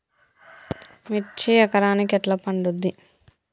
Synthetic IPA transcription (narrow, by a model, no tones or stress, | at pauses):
mit͡ʃːiɐkɐɾaːnikɛʈlɐpɐɳɖud̪ːi